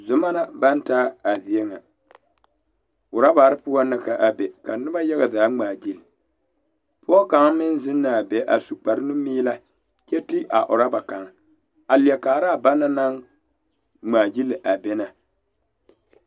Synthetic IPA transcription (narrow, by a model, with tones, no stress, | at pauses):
zʊ˨ma˦na˦ba˦n˦taː˦a˨vi˨e˦ŋa˨ | ʊ˨ɾa˦ba˨ɾɨ˦pʊ˦a˦nɨ˦ka˨ʔa˨be˨ka˨nɨ˦ba˦ja˦ɣa˨zaː˨˦ŋ͡maː˨d͡ʒi˦l | pɔː˦ka˨˦ŋmɪ˦n˦zɪ˦nː˦aː˨be˨ʔa̰˨su˨k͡pa˨ɾɨ˦nu˦miː˦la˦ | kɛ˦ti˦ʔa˨ʔʊ˨ɾa˦ba˨ka˨ŋ | a˨li˨ɛ˨kaː˨ɾa˦˨ba˦na˦na˦ŋ | ŋ͡maː˨d͡ʒi˦lɨ˨ʔa˨be˦na˨